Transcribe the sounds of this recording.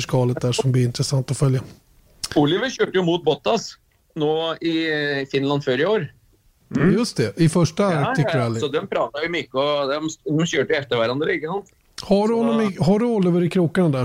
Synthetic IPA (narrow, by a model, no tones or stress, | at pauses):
ʂkɑːlət̪̚d̪æːʂɔmblɪɪnt̪ɾɛsant̪ɔfœlja | ulɪʋəɕøːʈəjʊmuːt̪̚bɔt̪ːɑs | noːɪfɪnland̪føɾɪoːɾ | jɵst̪ɛɪfœʂʈat̪ʏkːəɾɛlsɔd̪ɛmpʰɾɑːt̪ajʊmʏkːəɔd̪ɛmd̪ɛmɕøːʈəjʊɛft̪əɾʋæɾand̪ɾəɪkːəsɔnt̪ | haɖɵhɔnːɔmɪɦaɖɵɔlːɪʋəɾɪkʰɾuːkːanad̪æ